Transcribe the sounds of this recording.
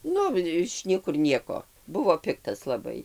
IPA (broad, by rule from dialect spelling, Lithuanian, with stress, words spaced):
ˈnʊ ɪʃ ˈnʲiɛkʊr ˈnʲiɛkoː ˈbʊʋoː ˈpʲɪktɐs lˠɐˈbɐɪ